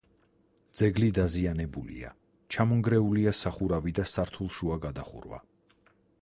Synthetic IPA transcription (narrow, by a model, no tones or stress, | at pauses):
d̪z̥ɛɡlid̪azianɛbulḭa̰ | t͡ʃʰamɔŋɡɾɛuliasaχuɾavid̪asaɾt̪ʰulˠʃuaɡad̪aχṵɾva̰